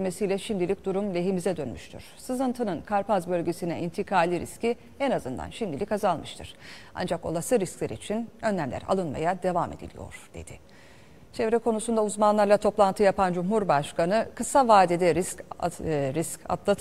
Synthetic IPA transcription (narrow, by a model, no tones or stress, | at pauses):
mesijlʲɛʃimd̪ilʲic̚d̪uɾumlʲe̞ɦimizɛd̪ø̞nmyʃt̪ʰy̰ɾ̥sɯzɯnt̪ʰɯnɯnkʰaɾpazbø̞lʲɟʲesinɛint̪ʰikʰaːlʲiɾḭsci | ɛnazɯnd̪a̰nʃimd̪ilʲikazalˠmɯʃt̪ʰɯɾ̥a̰nd͡ʒako̞̰lˠasɯɾisclʲɛɾḭt͡ʃʰinø̞nlʲæmlʲæ̰ɾa̰lˠɯnma̰jad̪e̞vame̞̰d̪ilʲḭjo̞̰ɾ̥d̪̥e̞̰d̪̥ɪ | t͡ʃʰevɾɛkʰo̞nusund̪auzmanlˠaɾlˠat̪ʰo̞plˠant̪ʰɯjapand͡ʒumɦuɾbaʃkanɯkɯsavaːd̪id̪ɛɾisc | ɾisca̰d̪lˠa